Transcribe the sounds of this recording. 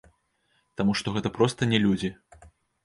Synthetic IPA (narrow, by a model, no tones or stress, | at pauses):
t̪amuʂt̪ɔɣɛt̪ɐpɾɔst̪ɐnʲɛlʲud͡zʲi